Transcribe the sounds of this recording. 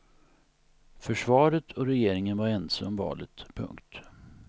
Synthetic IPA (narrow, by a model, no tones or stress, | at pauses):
fœʂvɑːɾət̪ʰɔɾɛjeːɾɪŋənvaɾɛnsamvɑ̰ːlət̪pʰɵ̰ŋkt̪